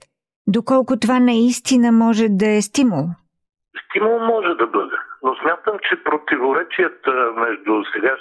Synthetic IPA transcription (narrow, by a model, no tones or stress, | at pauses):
d̪okɔlˠkʊt̪ovanɐist̪inəmɔʒɛd̪ɐɛst̪imʊlˠ | st̪imʊlˠmɔʒɛd̪ɐbɤd̪ɛnosmʲjat̪əmt͡ʃɛpɾot̪ivoɾɛt͡ʃijət̪əmɛʒd̪ʊsɛɡa